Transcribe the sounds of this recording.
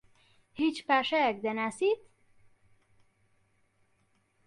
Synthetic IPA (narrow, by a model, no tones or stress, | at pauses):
hit͡ʃpæʃɛɡ̚d̪ɛnæsit̪